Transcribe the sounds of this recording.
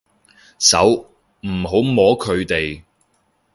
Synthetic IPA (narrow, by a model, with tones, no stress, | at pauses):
sɐ̰˨˥w | m̩˨˩ɦo˨˥wmɔː˨˥kʰɵ˨˧ɥt̪e˨j